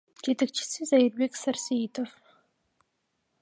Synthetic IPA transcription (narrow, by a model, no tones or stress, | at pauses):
d͡ʒet̪ɐk̚t͡ʃʰi̥sizajirbeksɐrsiit̪ʰof